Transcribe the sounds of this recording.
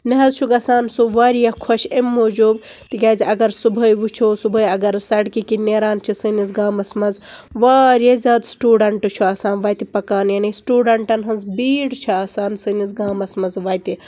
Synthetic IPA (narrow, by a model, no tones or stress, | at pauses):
nɐɦɐzt͡ʃʰuɡɐsaːnsuʋaːɾjɐkʰoʃemːoːd͡ʒuːb | t̪iɡʲaːziʔɐɡɐɾsubʱɐjʋut͡ʃʰoːsubɐjɐɡɐɾsɐɽkikineːɾaːnt͡ʃʰisɨnizɡaːmɐsmɐnzʋaːɾjɐzʲaːd̪sʈuːɖɐɳʈɨt͡ʃʰuɐːsaːnʋɐt̪ipɐkaːnjɐnisʈuːɖɐɳʈɐnɦɐnzbiːɽt͡ʃʰiɐsaːnsɨnizɡaːmɐsmɐzʋɐːjt̪i